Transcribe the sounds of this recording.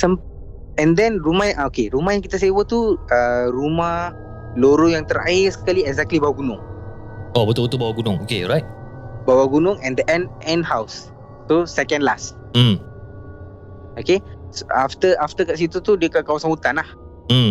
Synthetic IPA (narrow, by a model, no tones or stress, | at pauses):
səm | ɛ̃nd̪ɛnrumahjãʔaokeɾumahjaŋkit̪asewət̪uəɾumah | loɾujaŋt̪əɾa̰ɪrsə̥kaliɛɡzɛk̚t̪libawaɡunʊ̃ŋ | obət̪ubət̪ubawaɡunʊ̃ŋokeɔɾajt̚ | bawaɡunʊŋɛ̃nd̪əʔɛ̃nɛ̃nhaws | t̪usɛkɛ̃ndlas̩ | okesaft̪əaft̪əkaʔs̬it̪ut̪udiəkaʔkawasãnhut̪anlah̩